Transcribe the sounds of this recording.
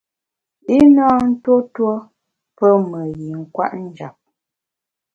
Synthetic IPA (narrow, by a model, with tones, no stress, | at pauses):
i˦nɔː˦n̩˦to˦two˦ | pə˦mə˨ji˨ŋ̩˦kwa̰˦ʔn̩˦d͡ʒa˨p̚